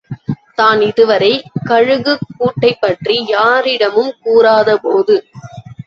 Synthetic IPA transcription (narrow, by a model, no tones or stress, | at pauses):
t̪aːnɪðɯʋɐɾɐɪkɐɻɯɣɯkːuːʈːɐɪpːɐʈrijaːɾɪɽɐmɯmkuːɾaːðɐpoːðɯ